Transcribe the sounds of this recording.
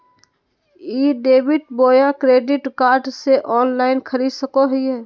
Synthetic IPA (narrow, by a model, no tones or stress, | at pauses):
iːɖeːbɪʈ̚boːjãkɾeːɖɪʈkaːɾɖseʔɔːnlaːɪnkʰəɾiːd̪səkoɦiɛː